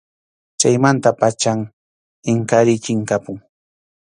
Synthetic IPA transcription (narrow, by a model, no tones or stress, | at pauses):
t͡ʃajmant̪apat͡ʃaŋ | ɪŋkaɾɪt͡ʃɪŋkapʊŋ